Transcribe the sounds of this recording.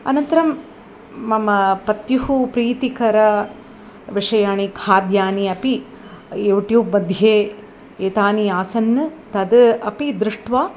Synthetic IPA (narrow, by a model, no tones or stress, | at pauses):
ɐ̰nɐnt̪ɐɾɐmː | ɐmɐpɐt̪juɦupɾiːt̪ikɐɾɐ | ʋiʂɐjaːɳikʰaːd̪jaːniɐpi | juːʈjuːb̚mɐd̪ʱjeː | eːt̪aːniaːsɐnːɐt̪ɐd̪ɐpid̪ɾuʂʈʋaː